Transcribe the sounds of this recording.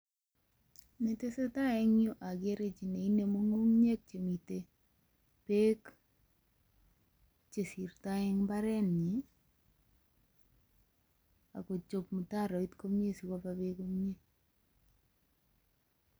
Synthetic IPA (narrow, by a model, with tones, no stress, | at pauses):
ne˨te˦se˦ta˦ɛ˦ŋjo˦ʔa˨ɡe˦ɾe˦t͡ʃi˨ne˨i˦ne˨mo˦ŋo˦ŋɲe˦k̚t͡ʃe˨mi˨te˨ | pe˦k | t͡ʃe˨si˨rta˦ɛ˦ŋba˦ɾɛ˦nɲi˨ | a̰˨ko˨t͡ʃo˨pmu˨ta˦ɾɔ˨i˦t̪ko˦mɲe˦si˨ka˦pa˨be˦ko˦mɲe˦